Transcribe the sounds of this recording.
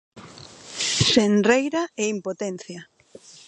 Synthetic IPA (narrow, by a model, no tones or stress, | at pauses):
senrejɾaeimpot̪en̟θja